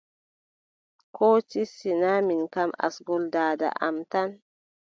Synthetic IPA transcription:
kʰoːt͡ʃisinaminkama̰sɡɔldaːda̰ʔa̰mtan

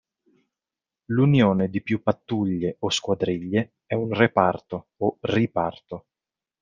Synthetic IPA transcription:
lunjoːned̪ipjupːat̪ːuʎːeʔoskwad̪ɾiʎːe | ɛunrepart̪oːripart̪o

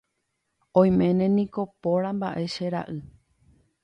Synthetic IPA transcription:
õj̃mẽ̞nẽ̞nĩko̞poɾamba̰ʔe̞ʃeɾa̰ʔɨ

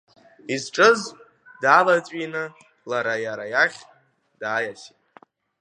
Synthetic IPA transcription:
izʈ͡ʂʼɨz | daːlat͡sʷʼinɨ | laɾajaɾajaχʲ | d̥aːjasitʼ

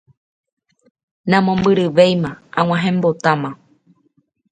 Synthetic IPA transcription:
nãmõmbɨɾɨʋejmããw̃ʷãɦẽ̞mbo̞t̪ãmã

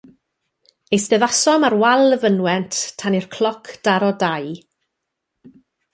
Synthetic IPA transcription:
ejsdɛðasɔmarwalˠəvənwɛntʰtʰːanirkʰl̥ˠɔkʰd̥aɾɔdaj

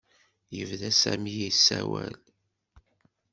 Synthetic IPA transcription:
jəvðæsæmijisːæwæl

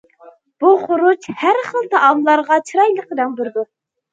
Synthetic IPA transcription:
b̥uχʊɾut͡ʃhæɾχəlˠt̪ʰɑʔɑmlˠɑɾʁɑt͡ʃʰiɾɑjlˠəqəd̪ɛŋbɪɾd̪u

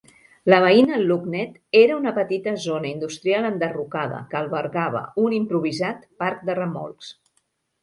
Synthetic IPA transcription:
ləβ̞əinəluɡnɛt̪eɾəunəpət̪it̪əzonəind̪ust̪ɾialˠənd̪ərukaðə̰kəːlˠβəɾɣaβ̞ə̰unimpɾuβ̞izat̪paɾk̚d̪ərəmɔ̰lˠs

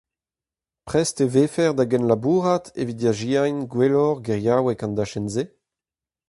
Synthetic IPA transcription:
pχɛsteveːfɛʁd̪aɡɛnlabuːʁat̪evid̪jaʒiajnɡwelɔʁɡɛʁjawɛkɑ̃nd̪aʃɛnze

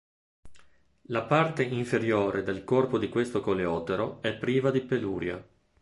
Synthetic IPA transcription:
lapart̪eiɱfeɾjoːɾʔed̪elkorpod̪ikwest̪okoleɔːt̪eɾoɛpːɾiːvad̪ipelṵːɾja̰

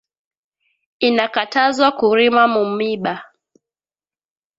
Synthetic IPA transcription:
inakatazwakuɾimamumiɓa

